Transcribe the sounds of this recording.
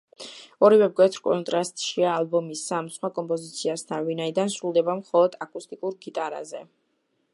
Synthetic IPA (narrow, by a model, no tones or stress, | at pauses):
ɔɾivɛpkʼwɛt̪ʰɾkʼɔ̰nt̪ʼɾast̪ʼʃiaːlˠbɔmisːamsχwakʼɔmpʼɔzit̪sʰiast̪ʰanvinaid̪ansɾulˠd̪ɛbamχɔlˠɔd̪̥akʼust̪ʼikʼuɾɡit̪ʼaɾa̰zɛ